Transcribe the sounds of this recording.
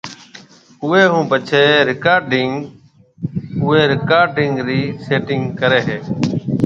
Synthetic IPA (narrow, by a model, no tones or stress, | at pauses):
ʊeːɦũːpət͡ʃʰeːɾɪkaːɾɖɪŋɡ | ʊeːɾɪkaːɾɖɪŋɡɾiːseːʈɪŋɡkəɾeːɦeː